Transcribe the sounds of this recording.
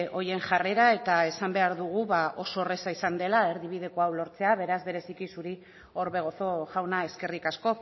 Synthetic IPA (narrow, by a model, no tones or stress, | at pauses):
ʔo̞je̞ŋʝare̞ɾae̞t̪ae̞sambe̞aɾðuɣ̞uβao̞so̞resaisand̪e̞lae̞ɾðiβ̞iðe̞ko̞awlo̞ɾt͡se̞aβ̞e̞ɾazβe̞ɾe̞sikisuɾi | o̞ɾβe̞ɣ̞o̞θo̞ʝawnae̞ske̞rikasko̞